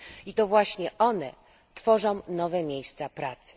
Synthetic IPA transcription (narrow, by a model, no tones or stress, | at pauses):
it̪ɔvwaɕɲɛʔɔnɛ̰ | t̪fɔʐɔ̃w̃nɔvɛmʲjejst̪sapɾat̪sɨ̥